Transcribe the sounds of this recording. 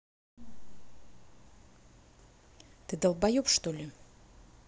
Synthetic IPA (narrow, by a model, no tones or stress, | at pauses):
t̪ɨd̪əlˠbɐjupʂt̪olʲɪ